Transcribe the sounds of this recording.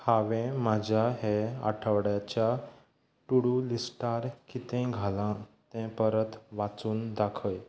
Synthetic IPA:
haʋɛ̃mad͡ʑʱaɦea̰ʈʰəʋɽjat͡ɕja | ʈuɽulisʈaɾkit̪ɛ̃ɡʱalã | t̪ɛ̃pəɾət̪ʋat͡suːnd̪akʰəj

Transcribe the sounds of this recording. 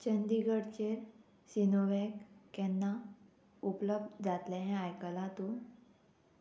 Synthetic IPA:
t͡ɕənd̪iɡəɽt͡ɕeɾ | sinoʋɛkkɛnːa | upləb̚d̪d͡zat̪lẽɦɛ̃ajkəlãt̪u

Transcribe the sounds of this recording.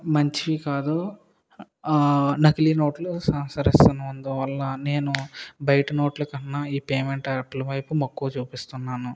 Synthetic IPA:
mɐɲt͡ʃiʋikaːd̪u | nɐkilino̞ːʈlusɐmsɐɾist̪ɐnɐund̪ɐʋɐlːɐne̞ːnubɐjʈɐno̞ːʈlɐkɐnːaiːpeːmeɳʈɐɾɐk̚ʈlɐʋɐjpumɐkːuːt͡ʃuːpist̪unːaːnu

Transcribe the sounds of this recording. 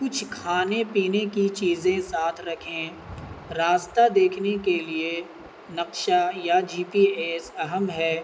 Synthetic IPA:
kʊt͡ʃʰkʰaːnepiːnekit͡ʃiːzẽsaːt̪ʰɾɐkʰẽ | ɾaːst̪ad̪eːkʰnekelie | nɐqʃajad͡ʒiːpiːeːsɐɦəmɦɛː

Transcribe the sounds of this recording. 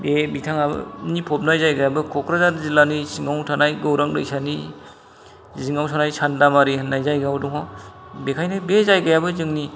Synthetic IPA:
bebitʰaŋabɯ̰nipʰɔp̚najzajɡajabɯkʰɔkʰɾazaɾzilanisiŋawtʰanajɡɯwɾaŋɾɯ̰jsani | ziŋawsʰanajsʰandamaɾihnːajzajɡawdɔŋɔ | bekʰajnajbezajɡajabɯzɯŋni

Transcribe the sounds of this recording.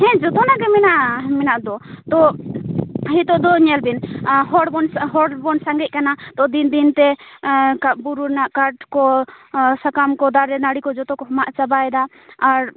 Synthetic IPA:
hɛ̃d͡ʒɔt̪ɔnaɡɛmɛnaʔmɛnaʔd̪ɔt̪ɔ | ɦit̪ɔʔd̪ɔɲɛlbinɦɔɽbɔnɦɔɽbɔnsaŋɡɛt̪̚ˀkanat̪ɔd̪ind̪int̪ɛkabuɾuɾnaʔkaʈkɔ | sakamkɔd̪aɾɛnaɽikɔd͡ʒɔt̪ɔkɔɦɔmaʔt͡ʃabaɛd̪aː | ɾ

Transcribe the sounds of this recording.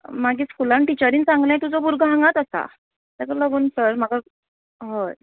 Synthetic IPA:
maɡiːskulaɳʈit͡ɕəɾiːnt͡sãŋɡlə̃jt̪ud͡zɔbuɾɡəɦãŋɡat̪əsa̰ | t̪akɔləɡuːnsəɾmaɡa | ɦoj

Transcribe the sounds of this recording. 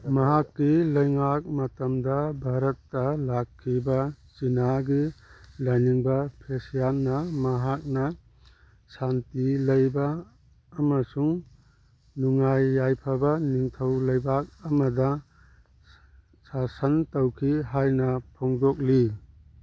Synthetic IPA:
mɐɦakːilɐjŋak̚matɐmdɐbʱaɾɐtːɐlakʰːibɐ | zinaɡilajniŋbɐpʰesjanːɐmɐɦak̚nɐ | santilɐjbaː | masuŋ | nuŋajːajpʰabɐniŋtʰɐwlɐjbak̚ɐmɐdɐ | sasɐntawkʰiɦajnɐpʰɔŋdɔk̚li

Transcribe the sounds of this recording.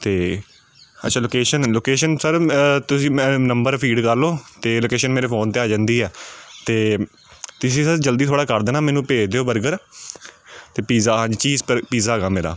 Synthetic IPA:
t̪eː | ə̰tːʃʰaːloːkeːʃənloːkeːʃənsəɾt̪ʊsĩːmɛ̃nəmbəɾpʰiːɖkəɾloːt̪eːloːkeːʃənmeːɾeːpʰoːnt̪eːaːd͡ʒãːnd̪iːɦɛːt̪eː | t̪ʊsĩːsəɾd͡ʒəld̪iːt̪ʰoːɽaːkəɾd̪eːnaːmɛːnũːpeːt͡ʃʰd̪eːoːbəɾɡəɾ | t̪eːpiːzaːɦãːd͡ʒt͡ʃiːzpəpiːzaːɡaːmeːɾa̰ː

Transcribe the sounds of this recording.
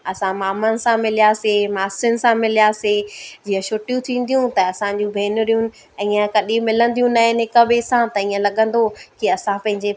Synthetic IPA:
ɐsãmaːmənɪ̆sãmɪlijasemaːsənɪ̆sãmɪlijased͡ʑiːɦə̃ʃʊʈijũt̪ʰĩːn̆d̪ijũt̪ɐɐsãɲd͡ʑũbʱeːnʊɾijunɪ̆ | ĩːə̃kɐɗĩmɪlə̃nd̪ijũnaɦɪnɪkɐbʱɪsãt̪ɐĩːə̃lɐɠə̃nd̪okiɐsãpɐ̃ɦɪ̃ɲd͡ʑe

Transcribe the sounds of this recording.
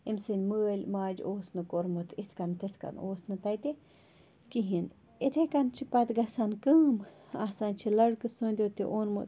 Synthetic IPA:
imsɨnʲməːlʲmaːd͡ʒoːsnɨkoɾmɨt̪ʰit̪ʰkɐnt̪ʰit̪ʰka̰noːsnɨt̪ɐjt̪i | kiɦin | it̪ʰekɐnt͡ʃʰipɐt̪ɡɐsankɨːm | asant͡ʃʰilɐɽkɨsunʲd̪ʲot̪iʔonmɨ̰

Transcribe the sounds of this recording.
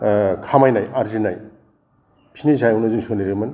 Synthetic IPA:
kʰamajnajʔaɾzinaj | pʰinizajunoziŋsʰoniɾiman

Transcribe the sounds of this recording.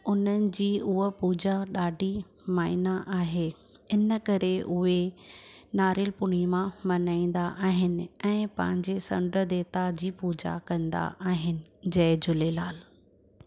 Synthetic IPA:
ʊn̤ənɪ̆d͡ʑiːʔʊɦopuːd͡ʑaɗaːɖʱi | maːɪnaʔaːɦeː | ɪnəkɐɾeʔʊɦe | naːɾɪlpʊɽ̤̃imãmɐnaːĩːn̆d̪aʔaːɦɪnɪ̆ɛ̃ːpɐ̰̃ɦɪ̃ɲd͡ʑesɐ̰̃ɳɖəd̪eːt̪ad͡ʑiːpuːd͡ʑa̰kɐ̃nd̪a̰ʔaːɦɪnɪ̆d͡ʑɐɪd͡ʑʊlelaːl

